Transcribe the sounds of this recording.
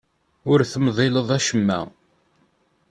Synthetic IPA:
ʊɾθəmðˤɪləðˤæʃəmːæ̰

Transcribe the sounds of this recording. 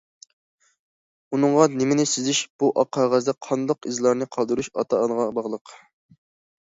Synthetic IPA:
unɨŋʁɑnɪmɪnɪsɪzɪʃb̥uʔɑqʰːɑʁəzd̪ɛqʰɑnd̪ɑqizlˠɑɾnɨqʰɑlˠd̪uɾuʃɑ̰t̪ɑnəʁɑbɑʁlˠəq

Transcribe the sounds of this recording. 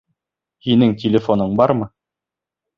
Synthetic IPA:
hinɘŋtʲɪlʲɪfonɤɴbɑɾmɤ

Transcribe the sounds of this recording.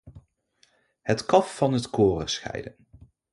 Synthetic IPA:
hətkɑfːɑnɦətkoːrə̰rsχɛ̰jdə̰n

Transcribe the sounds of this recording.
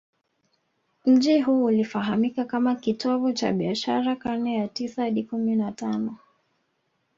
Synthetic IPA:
m̩d͡ʒiɦuːlifaɦamikakamakitɔvɔt͡ʃa̰ɓiaʃaɾakanɛjatisahaɗikuminatanɔ

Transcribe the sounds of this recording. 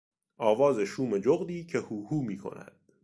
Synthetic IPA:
ɒːvɒːzeʃuːme̞d͡ʒoɣd̪iːcʰe̞huːhuːmiːkʰo̞̰næ̰d̪̥

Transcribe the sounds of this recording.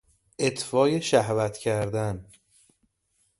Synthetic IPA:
ʔet̪ʰfɒːje̞ʃæhvæt̪ʰcʰæɾd̪æn

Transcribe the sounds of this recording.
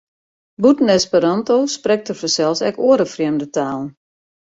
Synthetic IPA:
butnɛspəɾantosprɛk̚tərfəsɛlˠfsɛkoəɾəfrjɛmdətaːlˠn̩

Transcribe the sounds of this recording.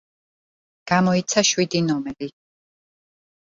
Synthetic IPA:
ɡ̥amɔit̪sʰaʃwid̪inɔmɛɾi

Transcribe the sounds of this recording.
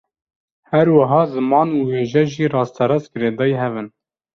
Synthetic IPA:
hɛɾwaɦɑːzɨmɑːnuweːʒɛʒiːɾɑːst̪ʰɛɾɑzɡɨɾeːd̪ɑːjɦɛvɨn

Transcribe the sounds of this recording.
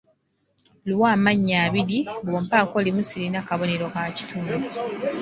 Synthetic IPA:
lwaːmaɲːaːβiɾiboːmpako̞ːlimusiɾinakaβo̞ne̞ɾokaci̥tʰume

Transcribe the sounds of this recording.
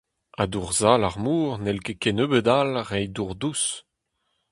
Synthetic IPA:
ad̪uʁzalaʁmuːʁnɛlkekɛnøːbəd̪alʁɛjduʁd̪us

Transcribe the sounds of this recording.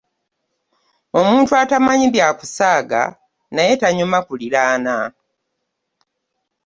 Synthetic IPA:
o̞muːntuatamaɲiβjaːku̥saːɡa̰ | naje̞taɲumakuliɾaːna

